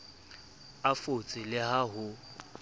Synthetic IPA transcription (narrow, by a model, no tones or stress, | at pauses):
afot͡sʼɪlɪɦaɦʊ